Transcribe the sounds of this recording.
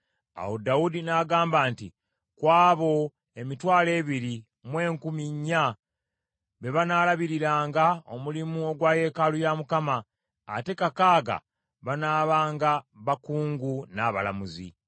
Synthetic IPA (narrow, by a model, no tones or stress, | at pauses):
a̰wodaudinaɡaːmbaːnti | kwaːβo̞ | e̞mitwaːle̞ːβiɾi | mwe̞ːŋkumiɲːa | βe̞βanaːlaβiɾiɾaːŋɡao̞mulimuo̞ɡwaːje̞ːkalujamukama̰ː | te̞kakaːɡa̰ | βanaːβaːŋɡaβakuːŋɡunaβa̰la̰muzḭ